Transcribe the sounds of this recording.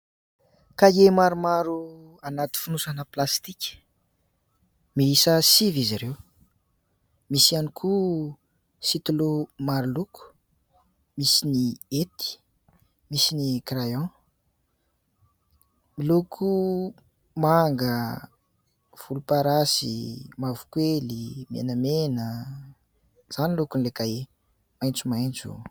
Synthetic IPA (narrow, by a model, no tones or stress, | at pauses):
kajemaɾumaɾu | anat̪i̥funusanəplast̪ikʲə̥ | miisəsiviziɾew | misianikʰu | sit̪ulumaɾulukʰu̥ | misiniet̪i̥ | misinikrajɔ̃ | milukʰu | maŋɡə | v̥ulupaɾasḭmavu̥kwelimḛnəmenə | z̥anilukunlekae | majnt͡sumajnt͡sṵ